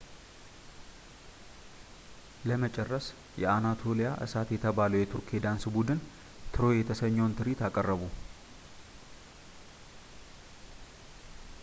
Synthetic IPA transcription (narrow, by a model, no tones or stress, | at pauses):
ləmət͡ʃʼɛrːəs | jɛ̰ʔanat̪ʰo̞lijaʔɨ̰sat̪jɛt̪ʰəβaləwjɛt̪ʰuɾkʰed̪ansbud̪ɨn | t̪ʰɨɾo̞jɛt̪ʰəsəɲːont̪ʰɨɾit̪akʼərːəβu